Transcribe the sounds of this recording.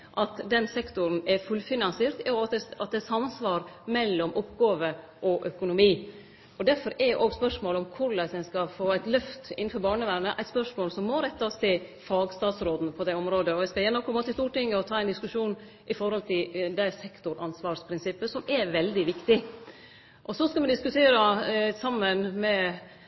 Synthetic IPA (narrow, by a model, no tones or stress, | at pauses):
ʔɑt̪d̪ɛnsɛkt̪ʊɾnɛɾfʉlfɪnɑnseːɾt̪jɑɑd̪ɛɑ̰t̪̚d̪ɛsɑmːnsʋɑːɾmɛlːɔmʊpːɡoːʋə | ʔɔʔœkʊnʊmiː | ɔd̪æɾfɔɾɛɾjʔoːɡspœʂmoːləɔmkʰʊɾɭæsɛnskɑfoːæɪt̪lœft̪ɪ̰n̩ːfɔɾbɑːɳəʋæɾnəʔæɪt̪spœʂmoːlsɔmːoːɾɛt̪ːɑst̪ɪ | fɑːɡst̪ɑːt̪sɾoːd̪n̩pʰɔd̪ɛɔmɾoːd̪əɔʋæɪskɑjɛnːɔkʰɔmːɑt̪ʰɪst̪uːʈɪŋːəɔt̪ʰɑːæɪnd̪ɪskʉʂuːn | ʔɪfɔɾhɔlt̪ʰɪld̪æɪsɛkt̪ʊɾɑnsʋɑːɾspʰɾɪnsɪpːəsɔmɛʋɛld̪ɪʋɪkt̪ɪ | ʔɔsɔskɑmɛd̪ɪskʉt̪ʰeːɾəsɑmːənmɛ